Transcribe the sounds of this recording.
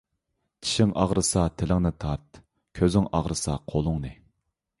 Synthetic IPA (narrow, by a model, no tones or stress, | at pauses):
t͡ʃʰi̥ʃɪŋʔɑʁɾɨsɑt̪ʰɪlɪŋnɨt̪ʰɑɾt̪̚ | kʲʰøzɪŋʔɑ̰ʁɾɨsɑqʰolˠʊŋnɨ